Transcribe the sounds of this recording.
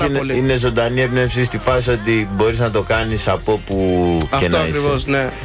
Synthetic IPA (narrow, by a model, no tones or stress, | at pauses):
inine̞zo̞nd̪ɐniepnefsist̪ifɐsio̞t̪ibo̞ɾiznɐt̪o̞kɐnisɐpo̞puɐenɐikɾisvosne